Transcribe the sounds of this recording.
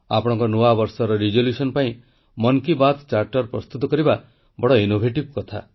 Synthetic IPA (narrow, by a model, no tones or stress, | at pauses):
a̰pɔɽ̃ɔ̃ŋkɔnuabɔɾsɔɾɔɾid͡ʒoljusɔnpaĩ | mɔnkibat̪t͡ʃaɾʈɔɾpɾɔst̪ut̪ɔkɔɾiba | bɔɽɔinobʱeʈibkɔt̪ʰa̰